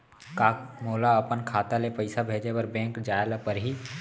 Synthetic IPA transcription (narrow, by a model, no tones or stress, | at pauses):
kaːkmoːlaəpənkʰaːt̪alepəɪsabʱeːd͡ʒepəɾbɛ̃ːŋkd͡ʒaːelapəɾɦi